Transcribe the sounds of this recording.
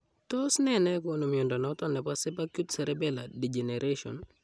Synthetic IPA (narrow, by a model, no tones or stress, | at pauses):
tɔsnɛnɛkonomiondɔnɔtɔnɛpasepakjutsɛɾɛbɛladid͡ʒeneɾʔeʃɔ̰n